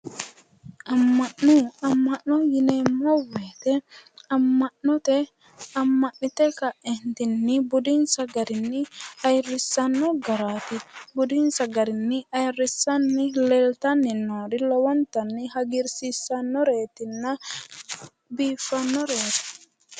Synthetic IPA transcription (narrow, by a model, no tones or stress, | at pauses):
ʔɐmːɐʔːʊɐmːɐʔnɔjɪneːmːɔweːt̪ɛɐmːɐʔnɔt̪ɛ | ɐmːɐʔːɪt̪ɛkɐʔɛnt̪ɪnːɪbʊd̪ɪnsɐɡɐɾɪnːɪɐjrːɪsːɐnːɔɡɐɾaːt̪ɪbʊd̪ɪnsɐɡɐɾɪnːɪɐjrːɪsːɐnːɪlɛlt̪ɐnːɪnːoːd̪ɪlɔwɔnt̪ɐnːɪhɐɡɪɾsisːɐnːɔɾe̞ːt̪ɪnːɐ | biːfːɐnːɔɾeːt̪ɪ̥